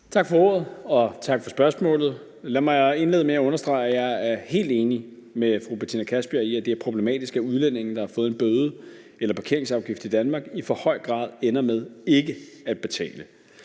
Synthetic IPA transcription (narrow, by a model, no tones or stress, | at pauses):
t͡sʰɑ̈ɡ̥fɒ̽o̝ːɐð̞̩ˠɒ̽t͡sʰɑ̈ɡ̥fɒ̽sb̥ɶɐsmɔ̰̽ːlð̞̩ˠ | læmɑ̈ɪe̝nle̝ːð̩ˠmeæɔ̽nɐsd̥ʁɑ̈ɪjɑ̈ɪæɐhe̝̰ːld̥e̝ːni | mefʁub̥et͡sʰinækʰæsb̥iɐiæd̥e̝æɐpʰʁo̝b̥lemɛ̰ːd̥isɡ̥æuð̞ˠlen̰e̝ŋn̩d̥ɑ̈hɑ̈fɔ̽ːð̩ˠenb̥øːðˠə | elɐpʰɑ̈kʰe̝ɐe̝ŋsɑ̈ʊɡ̥ifd̥̩ˠid̥ænmɑ̈ɡ̥ifɒ̽hɒ̽ɪ̰ɡ̥ʁɑ̰̈ːð̞ˠenɐmeð̞ˠe̝ɡ̥əæd̥̚b̥e̝t͡sʰɛ̰ːlə